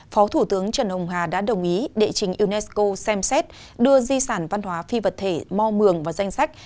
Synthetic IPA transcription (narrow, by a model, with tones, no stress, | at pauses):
fɔ˨˦t̪ʰu˧˩t̪ɨ˨˦əŋt͡ɕə˨˩nhə˨˩wŋ͡mɦaː˨˩ɗa̰ː˧˥ɗə˨˩wŋ͡mʔi˨˦ɗḛ˧˨t͡ɕï˨˩ŋ̟ʔi˧nɛ˦˥sko˧sɛ˧msɛ˦˥t̚ | ɗɨ˧əzi˧saː˧˩nva˧nhwaː˨˦fi˧və˨˩t̚t̪ʰe˧˩mɔ˧mɨ˨˩əŋvaː˨˩za˧jŋ̟sa˦˥k̟̚